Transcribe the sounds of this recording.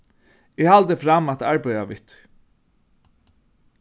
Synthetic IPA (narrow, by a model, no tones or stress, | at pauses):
ɪhalt̪əfɾamat̪aɹbejaʋɪt̪